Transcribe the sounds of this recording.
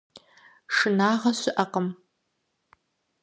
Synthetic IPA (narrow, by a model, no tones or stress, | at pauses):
ʂɨnaːʁɐɕɪʔɐqəm